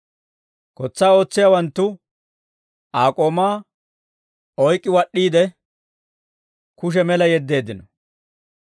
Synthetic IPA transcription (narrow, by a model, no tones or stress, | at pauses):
kɔt͡sːaːo̞ːt͡sːɪjawɐnt̪ːʊ | aːkʼo̞ːmaː | ɔjkʼːɪwɐɗːiːd̪ɛ | kʊʃ̬ɛmɛlɐjɛd̪ːe̞ːd̪ːɪnɔ